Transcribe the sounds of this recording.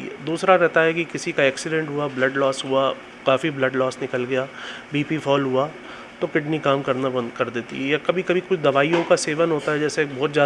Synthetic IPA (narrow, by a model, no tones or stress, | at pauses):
d̪uːsɾaɾɛɦt̪aɦɛkikɪsikaɛːksɪɖɛ̃ɳʈɦuablɐɖlɔːsɦua | kaːfiblɐɖlɔːsnɪkəlɡɐjabiːpifʰɔːlɦua | t̪okɪʈnikaːmkɐɾnabɐ̃nd̪kɐɾd̪eːt̪ḭɦɛjakɐbʱikɐbʱikʊt͡ʃʰd̪ɐʋaːijõkaseːʋənɦoːt̪aɦɛd͡ʒɛːsekbʱɔːt̪zjaː